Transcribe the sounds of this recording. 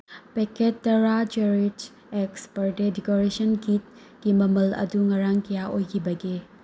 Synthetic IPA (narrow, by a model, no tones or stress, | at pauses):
pekʰetːɐɾad͡ʒeɾit | ekspɐɾdedikoɾesɐnɡit̚ | ɡ̥imɐmɐlɐ̰duŋɐɾaŋkɐjaojkʰibɐɡi